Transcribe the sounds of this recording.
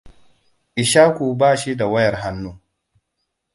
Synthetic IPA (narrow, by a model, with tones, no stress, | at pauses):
ʔɪ˨ʃaː˦kʷu˨baː˦˨ʃi˦da˨wɐ˦jɐ˨rɦa˦nːuː˦